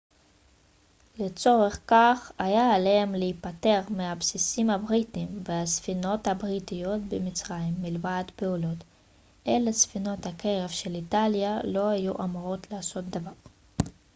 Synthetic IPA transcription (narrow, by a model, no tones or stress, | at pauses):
let͡so̞ʁe̞χkaχajaːlehemleipate̞ʁmehabsisimhabʁitimveasfino̞thabʁitijo̞tbemit͡sʁaimːilvad̪pe̞ulo̞t | ʔelesfino̞thakʰe̞ʁe̞vʃe̞litaljalo̞hajuʔamuʁo̞tlaːso̞t̚d̪avaʁ